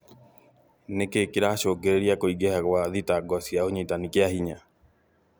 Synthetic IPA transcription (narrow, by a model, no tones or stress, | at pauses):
nekekɪɾaʃoɡeɾeɾjakoiɡehakwaðitaɡɔsjaoɲetanikeahiɲa